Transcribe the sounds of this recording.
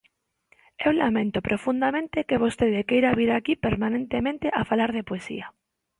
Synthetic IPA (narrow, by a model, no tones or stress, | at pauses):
ewlamẽnt̪opɾʔofũnd̪amẽnt̪ekeβ̞ost̪eðekejɾaβiɾakipeɾmãnẽnt̪emẽnt̪eʔafalaɾð̞epoesḭa